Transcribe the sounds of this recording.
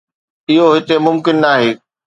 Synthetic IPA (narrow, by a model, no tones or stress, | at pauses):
ɪɦoɦɪt̪emʊmkɪnːaːɦeː